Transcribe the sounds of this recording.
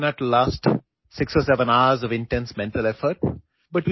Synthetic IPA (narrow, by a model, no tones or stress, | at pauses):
nəʈlaːsʈ | sɪksɔːsɛʋə̃naəzɔʋɪ̃nʈɛ̃nsmɛ̃ɳʈəlɛfəɾʈ̚ | bʌʈ